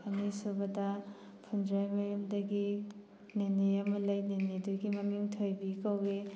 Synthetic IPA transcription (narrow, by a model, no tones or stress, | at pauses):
amisubɐdɐ | pʰundɾajmɐjɐmdɐɡi | neneɐmɐlɐjneneduɡimɐmiŋtʰojbikawɾe